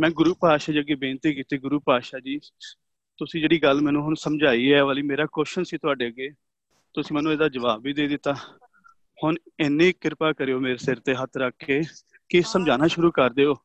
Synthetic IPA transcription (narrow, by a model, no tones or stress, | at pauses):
mɛ̃ːɡʊɾuːpaːʃaːd͡ʒiəɡeːbeːnt̪iːkiːt̪eːɡʊɾuːpaːʃaːd͡ʒiː | t̪ʊsĩːd͡ʒeːɽiːɡəlmɛ̃ːnũːɦʊnsəmd͡ʒaːiːɛːʋaːliːmeːɾaːkɔːʃənsiːt̪ʊaːɖeːəɡeː | t̪ʊsĩːmɛːnũːeːd̪aːd͡ʒəʋaːbʋiːd̪eːd̪ɪt̪ːaː | hʊnɪnːẽːkɪɾpaːkəɾeːoːmeːɾeːsɪɾt̪eːɦət̪ʰɾəkʰːeː | kɪsəmd͡ʒaːnaːʃʊɾuːkəɾd̪eːoː